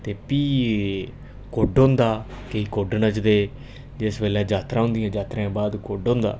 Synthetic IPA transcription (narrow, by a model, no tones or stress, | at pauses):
t̪eːpiː | koːɖõːnd̪aː | keiːkoːɖnət͡ʃd̪eː | d͡ʒɪsbeːlɛ̃ːd͡ʒaːt̪ɾãːɦʊ̃nd̪ɪjãːd͡ʒaːt̪ɾãbaːd̪koːɖõːnd̪a̰ː